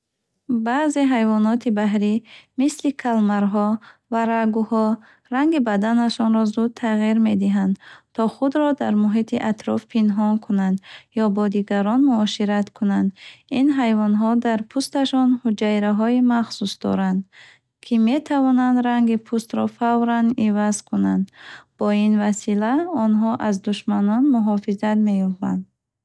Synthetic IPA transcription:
bazeɦajvɔnɔt̪ʰibaɦɾimislikʰalmaɾɦɔvaɾaɡuhɔ | ɾaŋɡibad̪anaʃɔnɾɔzud̪̚t̪ʰaʁiɾme̞d̪iɦand̪t̪ʰɔχud̪ɾɔd̪aɾmuɦit̪ʰiʔat̪ʰɾɔfpʰinɦɔnkʰunand̪jɔbɔd̪iɡaɾɔnmuɔʃiɾat̪kʰunand̪inɦajvɔnɦɔd̪aɾpʰust̪aʃɔnhud͡ʒaiɾaɦɔimaχsusd̪ɔ̰ɾand̪ | kʰime̞t̪ʰavɔnand̪ɾaŋɡipʰust̪ɾɔfavɾanivazkʰunand̪b̥ɔinvasilaɔnɦɔʔazd̪uʃmanɔnmuɦɔfizat̪me̞jɔba̰nd̪

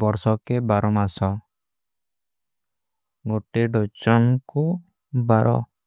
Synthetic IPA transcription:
bɔɾsɔkebaɾɔmasɔ | ɡoʈeɖɔt͡ʃɔŋku | baɾʔɔ̰

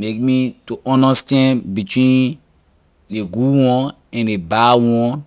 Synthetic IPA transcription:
mek̚mituʔɔ̃ndastɛ̃nbitwĩn | deɡuwɔ̃n | ɛ̃ndebawɔ̃n

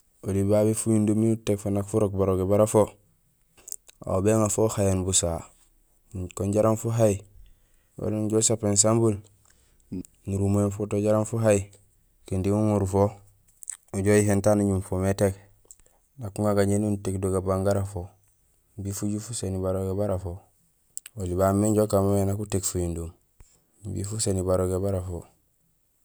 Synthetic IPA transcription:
odibaːbefujundomiutːekfonakfuɾok̚baɾoɡebaɾafo | a̰beŋafoːhajenbusa | koɲɟaɾanfuɦai | wa̰ɾunɟosapens̬ambul | ŋuɾumenfotoɟaɾanfuɦaji | kindimuŋuɾufo | uɟojiɦentanuɲumfometek | nakuŋaɡaɲenuntekdoɡabaŋɡaɾafo | mbifuɟufusenibaɾoɡebaɾafo | olibamːeɲɟokamomenakutekfujindum | mbḭfusenibaɾoɡebaɾafo̰

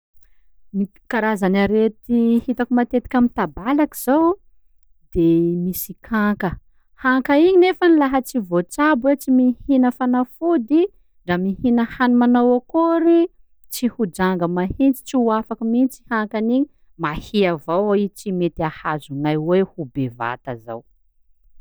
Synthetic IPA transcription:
mi | kaɾazanaɾet̪ihit̪akumat̪et̪i̥kʲamint̪abalakiz̥aw | d̪̥emisikʰakə | haŋkəiɲinefənilaɦət͡sivot͡sabet͡simihinəfanafud̪i | ɖ͡ʐamihinəhanimanawakuɾi | t͡sihud͡ʒaŋɡəmahint͡si̥t͡siuafakimint͡si̥haŋkaniɲi | mahiavawit͡simet̪ahazunajwehubeva̰t̪əza̰w

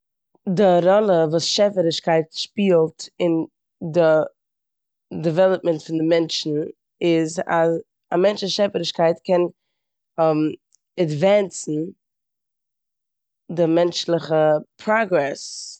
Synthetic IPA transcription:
dɪɾɔlˠəvuːsʃɛfəɾɪʃkaɪtʃpiːlˠtɪn | dɪ | dɛvɛlˠəp̚mɛntfɪndɪmɛnt͡ʃn̩ | ɪzaz | amɛnt͡ʃɪʃɛfəɾɪʃkaɪtkʰɛn | m | ɛdvɛnt͡sn̩ | dɪmɛnt͡ʃlˠɪχəpʰɾɔɡɾɛs

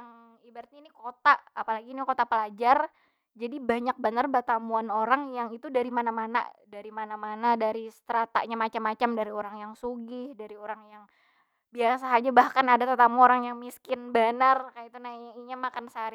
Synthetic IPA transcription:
aŋ | ibaɾat̪̚ɲanikot̪aʔapalaɡinikot̪apəlad͡ʒar | d͡ʒadibaɲak̚bənarbat̪amuanoɾaŋjaŋit̪udaɾimanamana̰daɾimanamanadaɾist̪ɾat̪a̰ʔɲamat͡ʃamːat͡ʃamdaɾioɾaŋjaŋsuɡɪhdaɾioɾaŋjaŋ | biasaɦad͡ʒabahkanadat̪ət̪amuoɾaŋjaŋmiskɪnbanarkajit̪unaɲaiɲamakansaɾi

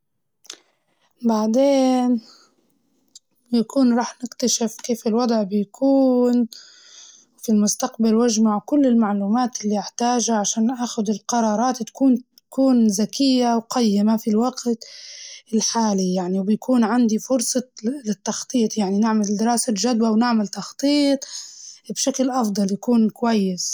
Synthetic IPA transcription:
baʕd̪eːn | jakuːnɾˤɑːħnɪkt̪aʃɪfkeːfɪlwɑd̪ˤʕbɪjkʰuːn | wfilmʊst̪aqbalwaʒmaʕkʊlːɪlmaʕluːmaːt̪ɪlːiɪħt̪aːʒaʕaʃaːnːʔaːxʊd̪ɪlqɑɾˤɑːɾˤɑːt̪t̪ḁkuːn | kuːnzakɪjːawqajːɪmafilwaɡt̪ɪlħaːlijaʕniwbɪjkuːnʕand̪ifʊɾsˤɑlɪt̪ːɑxt̪ˤiːt̪ˤjaʕninɪʕmald̪ɪɾˤɑːsaʒad̪wawnɪʕmalt̪ɑxt̪ˤiːt̪ˤbʃaklʔɑfd̪ˤɑljakuːnkwajːɪs

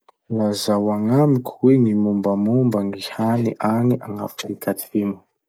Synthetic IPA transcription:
lazawaŋamikʰʲweŋimumbəmumbaŋihaniʔaniʔaŋa̰fu̥sikʰat̪imə̥

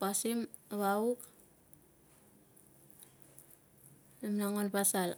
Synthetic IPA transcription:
pasim | βauk | namnaŋonpasal

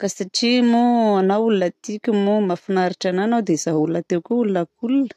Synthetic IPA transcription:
kasaʈ͡ʂimuanawulunət̪ikʲumumafinaɾiʈ͡ʂananawd̪ezaɦulunət̪ewkʲuulunəkulunə̥

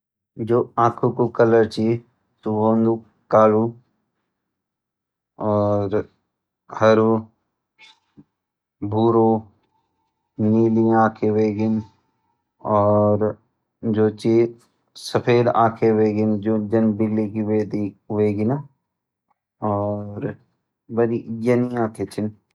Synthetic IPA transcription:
d͡ʒoːãːkʰukukələɾt͡ʃi | t̪uɦoːnd̪u | kaːlu | ɔːɾ | həɾu | bʱuːɾo | niːliaːkʰeʋeːɡɪn | ɔːɾ | d͡ʒoːt͡ʃe | səpʰeːlaːkʰeʋeːɡɪnd͡ʒod͡ʒɐnbɪlːikiʋeːd̪iʋeːɡɪn | ɔːɾ | bəɾijɐniãːkʰet͡ʃʰɪn

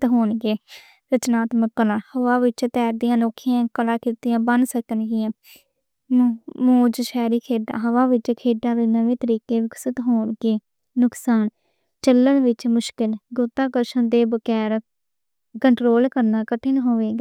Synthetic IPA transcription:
t̪ɦoːɳɡeː | ɾət͡ʃnaːt̪məkːlãːhəʋaːʋɪt͡ʃt̪ɛːɾd̪ɪjãːnoːkʰɪjãːkəlaːkiːt̪ɪjãːbənsəkənɡɪjãː | mmõːd͡ʒʃɛːɾiːkʰeːɖã̰ːɦəʋaːʋɪt͡ʃkʰeːɖãːd̪eːnəʋẽːt̪əɾiːkeːʋɪksət̪ɦoːɳɡeː | nʊksaːn | t͡ʃəlːəɳʋɪt͡ʃmʊʃkɪlɡʊt̪ːãːkəɾʃənd̪eːbəkɛːɾ | kəɳʈɾoːlkəɾnaːkəʈʰːɪnɦoːʋeːɡaː

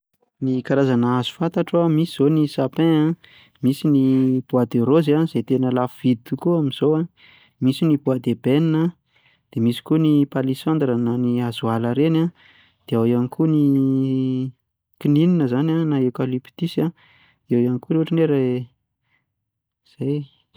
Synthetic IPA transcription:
nikaɾazanəazu̥fant̪aʈ͡ʂamisiz̥onisapẽã | misinib̥uad̪eɾozazet̪enəlafuvid̪t̪ukuamiz̥owa | misinibuad̪ebeninə | d̪̥emisi̥kunipalisand̪rənaniazualəɾena | d̪̥eawianikuni | kinininəzananaekalipi̥t̪isa | ewjanikuɾeuʈ͡ʂineɾe | z̥aj

